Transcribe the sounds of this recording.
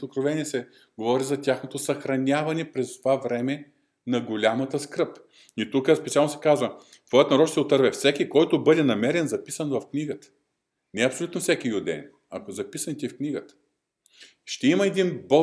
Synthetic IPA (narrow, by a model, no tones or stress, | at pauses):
okɾovɛnʲiɛsɛ | ɡovɔɾizɐt̪ʲaxnot̪osɐxɾɐnʲavɐnɛpɾɛst̪ovavɾɛmɛ | nɐɡolʲamət̪əskɾɤp | it̪ukəspɛt̪sialˠnosɛ̥kazvə | t̪vɔjət̪nɐɾɔt͡ʃt̪ɛot̪əɾvɛfsɛkʲikɔjt̪obɤd̪ɛnɐmɛɾɛnzɐpisənvɐfkniɡət̪ə̥ | nɛɐpsolʲut̪nofsʲɛkijʊd̪ɛ̰n | ɐ̰kozɐpisənit̪ifkniɡət̪ə̥ | ʃt̪ɛiməɛd̪inbɤ